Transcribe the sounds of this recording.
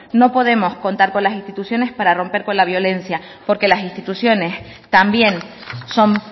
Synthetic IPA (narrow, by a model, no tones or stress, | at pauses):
no̞po̞ðe̞mo̞sko̞nt̪aɾko̞nlasint̪it̪usjo̞ne̞spaɾaro̞mpe̞ɾko̞nlaβjo̞le̞nsja | po̞ɾke̞lasinst̪it̪usjo̞ne̞s | t̪ambje̞nso̞m